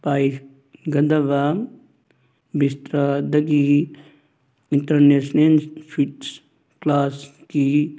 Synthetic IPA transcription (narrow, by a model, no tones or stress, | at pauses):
paːi | ɡɐd̪ɐʋa | bist̪ɾad̪ɐɡi | iɳʈəɾnesnelswiʈs | klaːski